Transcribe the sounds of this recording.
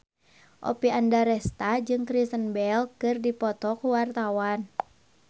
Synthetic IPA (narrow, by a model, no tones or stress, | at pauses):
ʔɔ̰piandaɾɛst̪ad͡ʒɨŋkɾisənbɛlkɨrdipɔt̪ɔkuwart̪awan